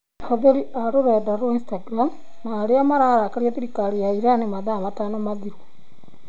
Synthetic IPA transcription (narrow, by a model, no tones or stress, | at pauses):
hoðeɾiʔaɾoɾedaɾoinstaɡɾam | naːɾeamaɾaɾakaɾjatiɾikaɾijaiɾanemaðamatanomaðiɾu